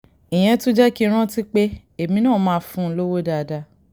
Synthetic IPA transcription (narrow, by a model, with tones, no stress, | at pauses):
ĩ˨j̃ɛ̃˧tũ˦d͡ʒɛ˦ki˦˧˦ɾ̃ã˦ti˦k͡pe˦ | e˨mĩ˧˦nãː˦˨˦mãː˨˦fũ˦lo˦wo˦da˧˨˧da˧